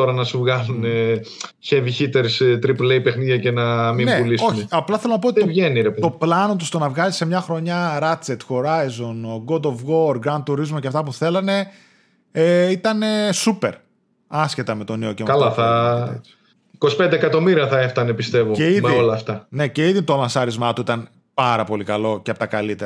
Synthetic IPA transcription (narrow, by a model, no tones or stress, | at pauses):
t̪o̞ɾɐnɐsuvɣɐluneçeviçit̪eɾst̪ɾipleipexniðjʝɐcenɐmĩneulisouçiɐplɐθelonɐpot̪ovʝe̞niɾept̪o̞plɐno̞t̪ust̪o̞nɐvɣɐlise̞mɲɐxɾo̞ɲɐɾɐt͡se̞t̪xo̞ɾɐjzo̞noɡod̪ovɣo̞ɾɡɾɐnd̪̚uɾizmoceɐft̪ɐp̬uθe̞lɐne̞ | eit̪ɐne̞supe̞ɾ | ɐsce̞t̪ɐme̞t̪o̞neocekɐlɐθɐ̥ | iko̞si̥pend̪eːkɐt̪o̞miɾiɐθɐeft̪ɐnepist̪e̞voeiðmiolɐːft̪ɐne̞ce̞iðit̪olɐnθɐɾizmɐt̪uit̪ɐn | pɐɾɐpo̞likɐlo̞ceɐpot̪ɐkɐlit̪eɾɐ